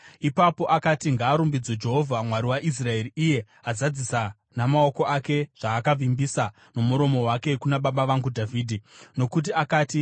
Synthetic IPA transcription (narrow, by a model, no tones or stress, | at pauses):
ipapo̞ʔakatiŋɡaːɾumbid͡zod͡ʒe̞ɦo̞vʱamwaɾiwaʔis̬rae̞riʔije̞ | azad͡zisa | namao̞ko̞ʔake̞ʐ̥aːkavimbisa | nomuɾo̞mo̞wake̞kunaɓaɓaʋaŋɡudʱaviːdʱino̞kut̬iakaːti